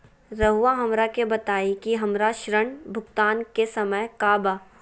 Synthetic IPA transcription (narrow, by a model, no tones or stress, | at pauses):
ɾɐɦuʋaɦɐmɾakebɐt̪aːikiɦɐmɾaʃɾəɳbʱʊɡt̪aːnkesɐməjkaːbaː